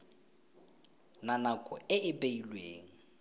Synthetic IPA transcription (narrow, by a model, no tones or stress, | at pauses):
nanakʼɔɪɪpʼeilweːŋ̩